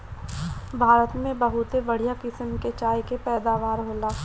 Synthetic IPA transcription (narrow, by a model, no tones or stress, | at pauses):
bʱaːɾət̪mẽbɐɦʊt̪ebɐɽ̤ijakɪsəmket͡ʃaːjkepɛːd̪aːʋaːɾɦoːla